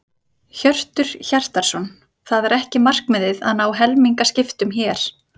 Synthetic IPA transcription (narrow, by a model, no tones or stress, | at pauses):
çœr̥t̪ʏɾ̥çar̥t̪aɾ̥sɔn | θaðɛɾɛhcɪmar̥kmɪðɪðaðnaːwɦɛlmiŋkascɪft̪ʏmçɛːɾ̥